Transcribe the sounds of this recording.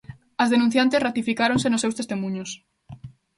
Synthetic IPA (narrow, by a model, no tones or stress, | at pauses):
ɐzðenũn̟θjant̪esrat̪ifikaɾõnsenʊsewst̪est̪emũɲos